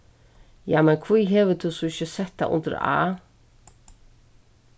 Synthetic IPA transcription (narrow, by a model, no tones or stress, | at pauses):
jaːmɛnkʰviːɦeːʋəd̪usuɪçəsɛt̪̚d̪a̰ʔʊ̰nd̪ə̰ɾa̰ː